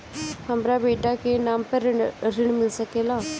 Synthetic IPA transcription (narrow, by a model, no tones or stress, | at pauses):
həmɾaːbeːɖaːkeːnaːmpəɾɾɪɳmɪlsəkeːlaː